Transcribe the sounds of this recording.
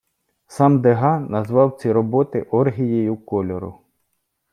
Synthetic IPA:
sɑmd̪eɦɑnɐzʋɑwt͡sʲiɾɔbɔt̪ɪʔɔrɦʲijejʊkɔlʲɔɾʊ̰

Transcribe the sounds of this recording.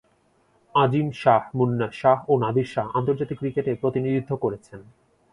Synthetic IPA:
ad͡ʑimʃahmunːaʃaɦonad̪ʱiɾʃaɦant̪oɾd͡ʑat̪ikːɾikeʈepɾot̪inid̪id̪ʱːokoɾet͡ɕʰen

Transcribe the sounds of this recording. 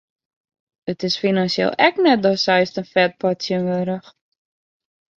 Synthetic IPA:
ətɪsfinansiḛːlˠɛknɛt̚dɔsɛjstənfɛt̚pɔtsjənʋøːɾəx

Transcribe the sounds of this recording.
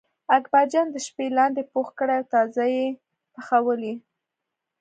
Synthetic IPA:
akbɑd͡ʒɑnd̪əʃpelɑnd̪epoxkəɽajawt̪ɑzaje | pəxawəli

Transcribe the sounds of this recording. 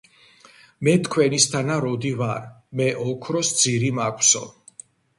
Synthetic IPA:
mɛt̪ʰkʰwɛnist̪ʰanaɾɔd̪ivaɾmɛʔɔkʰɾɔsd̪ziɾimakʷʰʼsɔ̰

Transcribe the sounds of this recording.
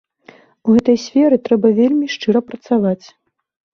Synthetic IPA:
uɣɛt̪ɐjsʲfʲɛɾɨt̪ɾɛbɐvʲelʲmʲiʂt͡ʂɨɾɐpɾɐt̪savat͡sʲ

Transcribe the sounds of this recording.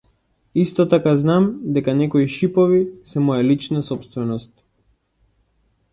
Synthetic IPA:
ist̪ɔt̪akaznamd̪ɛkanɛkɔiʃipɔvisɛmɔjalit͡ʃnasɔpst̪vɛnɔst̪̚

